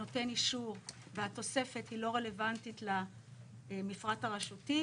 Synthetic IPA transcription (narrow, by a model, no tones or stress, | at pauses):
o̞te̞niʃuʁ | vehato̞se̞fe̞thilo̞ʁe̞le̞vantitla | mifʁataʁeʃuti